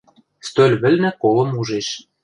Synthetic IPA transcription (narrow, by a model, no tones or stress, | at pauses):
st̪ølʲβɘ̆lʲnɘ̆kolɤ̆muʒeʃ